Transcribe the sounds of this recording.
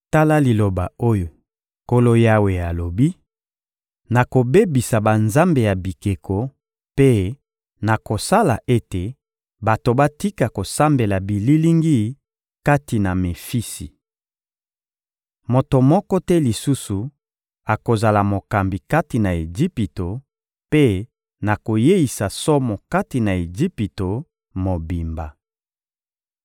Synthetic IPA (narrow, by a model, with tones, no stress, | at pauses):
ta˦la˦li˨lo˨ba̰˨o˦jo˨ | ko˦lo˦ja˦we˨a˨lo˨bi˦ | na˨ko˨be˦bi˨sa˨ba˨nza˦mbe˨ja˨bi˨ke˨kʰo˨ | pe˦ | na˨ko˨sa˦la˨ʔe˦te˨ | ba˨to˨ba˦ti˦ka˨ko˨sa˦mbe˨la˨bi˨li˦li˦ŋɡi˦ | ka˦ti˨na˨me˨fi˦si˨ | mo˨to˨mɔ˦kɔ˦tɛ˦li˨su˦su˨ | a˨ko˨za˨la˨mo˨ka˨mbi˨ka˦ti˨na˨e˨d͡ʒi˦pi˨to˨ | pe˦ | na˨ko˨je˦i˨sa˨sɔ˦mo˨ka˦ti˨na˨e˨d͡ʒi˦pi˨to˨ | mo˨bi˨mba˨